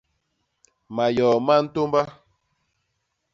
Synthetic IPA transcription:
ma˨jɔ˨ma˦n̩˦to˦mba˦

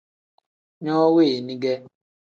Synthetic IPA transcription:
ɲɔ˦we˦˨nĩ˦ɡe˦

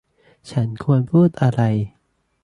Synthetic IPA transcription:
t͡ɕʰa˦˥nkʰu˧ənpʰuː˥˩t̪̚ʔa˧ɾa˧j

